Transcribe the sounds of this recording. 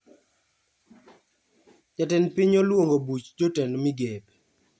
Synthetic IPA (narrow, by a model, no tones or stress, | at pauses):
d͡ʒatɛnpɪɲolwoŋɡobut͡ʃd͡ʒotɛnmiɡep